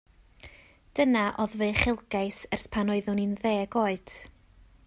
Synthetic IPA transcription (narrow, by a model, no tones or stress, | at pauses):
d̥ənaʔoðveɨχɪlˠɡajsərspʰanoɨðʊninðeːɡoːɨd̥